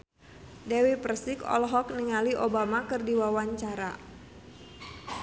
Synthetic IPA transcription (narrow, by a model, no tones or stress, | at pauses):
dɛwipərsikɔ̰lɦɔk̚niŋaliʔobamakɨrdiwawaɲt͡ʃaɾa